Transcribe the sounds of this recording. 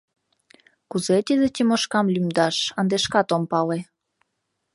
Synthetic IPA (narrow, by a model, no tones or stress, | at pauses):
kuzet̪id̪et̪imoʃkɑmlymd̪ɑʃənd̪eʃkɑt̪ompɑle